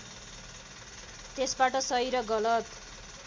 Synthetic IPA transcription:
t̪esbaʈʌsʌjɾʌɡʌlʌt̪

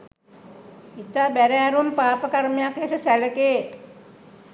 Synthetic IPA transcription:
it̪abɛɾɛaɾumpapəkaɾmiakesəsaləke

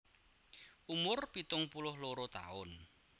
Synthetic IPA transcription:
ʔumʊrpit̪ʊŋpulʊhloɾot̪a̰ʊn

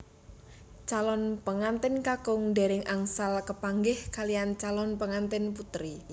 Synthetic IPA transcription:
t͡ʃalɔnpəŋant̪ɪnkakʊŋde̤ɾɪŋʔaŋsalkəpaŋɡɪhkaliant͡ʃalɔnpəŋant̪ɪnput̪ɾi

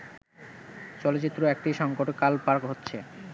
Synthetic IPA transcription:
t͡ɕɔlot͡ɕit̪ːɾoek̚ʈiʃɔŋkoʈkalpaɾkɦotːɕʰe

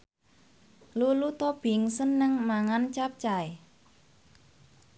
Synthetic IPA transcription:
lulut̪ɔb̥iŋsənːəŋmaŋant͡ʃap̚t͡ʃae

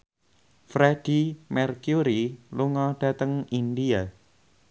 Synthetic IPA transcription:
fɾed̥imɛrkjuɾiluŋɔɖ̥a̤t̪əŋindia

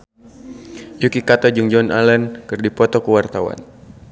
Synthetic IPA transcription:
jukikat̪ɔd͡ʒuŋd͡ʒɔna̰lɛnkɨrdipɔt̪ɔkuwart̪awa̰n

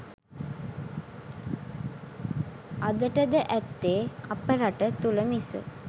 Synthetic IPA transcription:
ad̪əʈəd̪əʔæt̪ːeːapəɾaʈət̪uləmisə̰

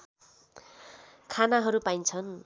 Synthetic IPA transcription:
kʰanaɦʌɾupajnt͡sʰʌn

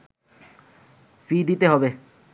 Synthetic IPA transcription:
fid̪it̪eɦɔbe

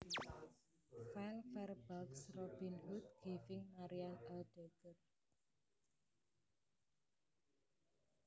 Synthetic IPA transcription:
falfɛrb̥aksrɔb̥inhut̪̚ɡ̥ifɪŋmaɾianɛld̥ɛɡ̥ər

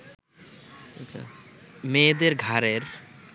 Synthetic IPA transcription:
ətːsʰa̰med̪eɾɡʱaɾeɾ

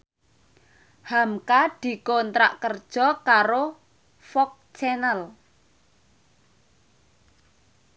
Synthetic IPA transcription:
hamkad̪̥i̤kont̪ɾa̰ʔkərd̥ʒ̥ɔ̤kaɾo | fɔk̚t͡ʃɛnəl

